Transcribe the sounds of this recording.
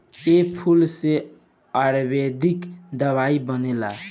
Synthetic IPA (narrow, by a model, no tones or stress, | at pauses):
epʰulse | aɾbed̪ikd̪əβaibənela̰